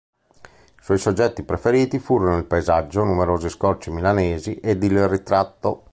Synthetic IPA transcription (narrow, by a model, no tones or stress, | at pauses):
swɔjsod͡ʒːɛt̪ːipɾefeɾiːt̪ifuːɾonoilpaezad͡ʒːonumeɾoːziskɔrt͡ʃimilaneːziʔed̪ilrit̪ɾat̪ːo